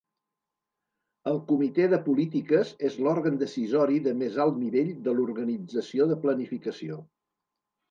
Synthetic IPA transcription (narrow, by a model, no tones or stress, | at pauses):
əlˠkumit̪eðəpulit̪ikəzezlɔɾɣənd̪əsizɔɾiðəmezalˠt̪niβeʎd̪əluɾɣənid͡zəsioðəplənifikəsio